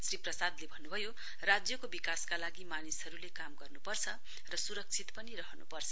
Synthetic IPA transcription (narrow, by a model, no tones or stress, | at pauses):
sriprʌsad̪lebʱʌnːubʱʌjo | rad͡zjʌkobikaskalaɡimanisɦʌɾulekamɡʌrnupʌrt͡sʰʌ | rʌsuɾʌk̚t͡sʰit̪pʌniɾʌɦʌnṵpʌrt͡sʰʌ